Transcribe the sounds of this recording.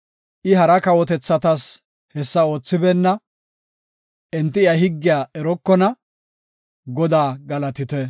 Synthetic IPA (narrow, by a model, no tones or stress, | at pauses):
ʔɪɦɐɾɐkɐwɔt̪ɛt͡sːɐt̪ɐs | hɛsːɐo̞ːt͡sːɪbɛnːɐ | ʔɛnt̪ːɪɪɐhɪɡːɪjaːɛɾɔkːɔnɐ | ɡɔd̪aːɡɐlɐt̪ɪt̪ɛ